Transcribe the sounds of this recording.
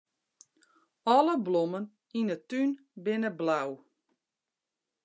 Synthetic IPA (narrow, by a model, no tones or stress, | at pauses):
ɔləblomən | inətyn | bɪnəblaw